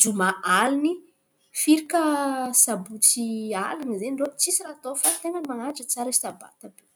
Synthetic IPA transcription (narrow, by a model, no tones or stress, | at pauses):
d͡ʒumaʔalini | fiɾikəsabut͡sialinizeɳɖ͡ʐot͡sisiɾat̪ofat̪eŋəmaŋad͡ʒət͡saɾəsi̥t̪aba̰t̪abe